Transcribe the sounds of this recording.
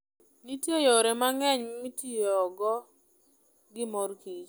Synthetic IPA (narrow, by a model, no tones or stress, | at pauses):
nitjejoɾemaŋɛɲmitijɔːɡɔ | ɡɪmɔrkid͡ʒ